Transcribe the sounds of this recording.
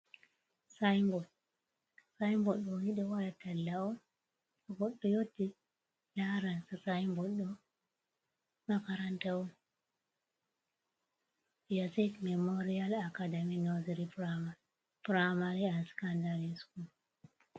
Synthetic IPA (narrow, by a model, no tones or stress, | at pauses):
sajmbɔ | sajmbɔɗɔwiɗɛwalatalːaɔn | aɡɔɗːɔjotːi | laɾansasajmbɔɗɔ | makaɾantawɔn | jasidmɛmoɾialakadaminoziɾipɾama | pɾamaɾianskandaɾiskul